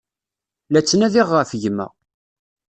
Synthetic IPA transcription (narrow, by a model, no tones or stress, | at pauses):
læt͡sːnæðiʁːəfʝəmə̰